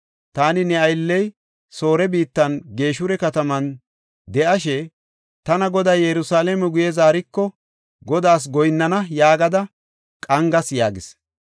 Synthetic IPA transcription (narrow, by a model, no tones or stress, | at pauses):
t̪aːnɪnɛɐjlːɛj | so̞ːɾɛbiːt̪ːɐnɡe̞ːʃʊɾɛkɐt̪ɐmɐn | d̪ɛʔɐʃɛ | t̪ɐnɐɡɔd̪ɐjjɛɾʊsaːlɛmɛɡʊjɛzaːɾɪkːɔ | ɡɔd̪aːs̬ɡɔjnːɐnɐjaːɡɐd̪ɐ | kʼɐŋɡɐsjaːɡɪs